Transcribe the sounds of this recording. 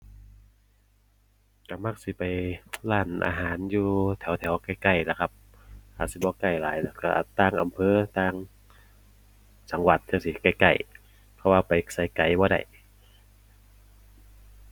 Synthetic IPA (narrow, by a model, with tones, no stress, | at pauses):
ka˧˩ma˧k̚si˧˦pa˨˩jlaː˧˩nʔa̰ː˧ɦaː˨˦njuː˧t̪ʰɛ˨˦wt̪ʰɛː˨˩˦wka˧˩jka˧˩jla˧˩kʰa˧p̚ | ha̰ː˨˧˩si˧˦bɔː˧˦ka˧˩jlaː˨˦jlɛː˧˩ka̰˧˩ʔt̪aː˧˨ŋʔa̰˨mpʰɤː˧t̪aː˧˩ŋ | sa˨˦ŋwa˧˦t̪̚ʰːi˧˩si˧˩ka˧˩jka̰˧˩j | pʰɔ˧waː˧pa˨jsa˧˩jka˨˩jbɔː˧da̰˧˩j